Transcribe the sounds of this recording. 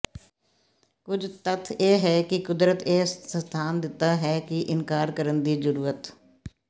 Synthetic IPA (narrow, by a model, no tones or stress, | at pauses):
kʊd͡ʒt̪ət̪ʰeːɦɛːkɪkʊd̪ɾət̪eːət̪ʰaːnd̪ɪt̪ːaːɦɛːkɪʔɪnkaːɾkəɾənd̪iːzəɾuːɾət̪